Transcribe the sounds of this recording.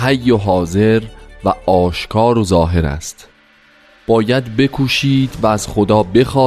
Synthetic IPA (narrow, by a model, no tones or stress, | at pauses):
hæjːoɦɒːze̞ɾvæɒːʃkʰɒːɾozɒːɦe̞ɾæ̰st̪ | b̥ɒːjæd̪be̞kʰuːʃiːd̪væːz̥xod̪ɒːbe̞xɒː